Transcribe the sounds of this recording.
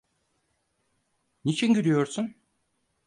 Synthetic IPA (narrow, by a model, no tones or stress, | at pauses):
nit͡ʃʰinɟyɾyjo̞ɾsun